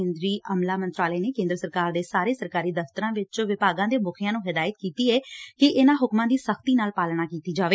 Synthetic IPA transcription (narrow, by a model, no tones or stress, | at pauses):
ẽːnd̪ɾiːʔəmlaːmənt̪ɾaːlɛːneːkẽːnd̪ɾəsəɾkaːɾd̪eːsaːɾeːsəɾkaːɾiːd̪əft̪əɾãːʋɪt͡ʃʋɪpaːɡãːd̪eːbʊkʰɪjãːnũːɦɪd̪aːjət̪̚kiːt̪iːɛːkɪʔɪnãːɦʊkmãːd̪iːsəxt̪iːnaːlpaːlɽ̃ãːkiːt̪iːd͡ʒaːʋeː